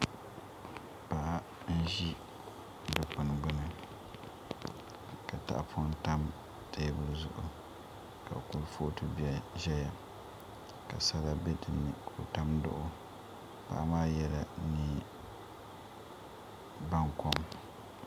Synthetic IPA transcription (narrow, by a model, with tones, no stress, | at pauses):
pa˨˦ | n̩˦ʒi˦ | dɨ˨pʊ˨n˨ɡ͡bʊ˦nɨ˦ | ka˨ta̰˨ʔpʰʊ˦n˦ta˦m | tʰe˦bʊ˦lzʊ̰˦ʔʊ̰˨ | ka̰˨ku˨lfoː˦tu˦bi˨a˨ʒɛ˦ja˨ | ka˨sa˦la˦bɛ˦dɨ˨nːɨ˨kʰo˨ta˦mdʊ̰˦ʔʊ˦ | pa̰˦ʔa˦maː˦jɛ˦la˨nɨ˦ | ba˦ŋko˦m